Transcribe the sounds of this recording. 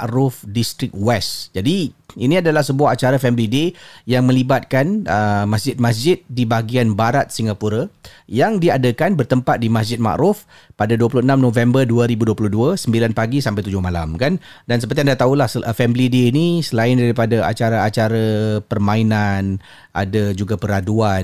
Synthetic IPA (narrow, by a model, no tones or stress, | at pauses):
aʔɾʊfdist̪ɾɪk̚wɛsd͡ʒadiinĩadalahsəbuaɦat͡ʃaɾafɛmilidejaŋmə̃libat̪̚kanəmasd͡ʒɪt̪̚mas̬d͡ʒɪt̪̚dibaɡianbaɾat̪̚siŋɡapuɾajaŋdiadəkanbərt̪əmpat̪̚dimas̬d͡ʒɪt̪̚ma̰ʔɾʊf | padaduəpuluhənãmnõvɛmbərduəɾibuduəpuluhduasəmbilanpaɡisampajt̪ud͡ʒʊhmala̰mkan | dansəpərt̪iandaht̪aulahsfɛmilideːnisəlaɪndaɾipadaʔa̰t͡ʃaɾaat͡ʃaɾapərmãinan | ʔa̰dad͡ʒuɡapəɾaduan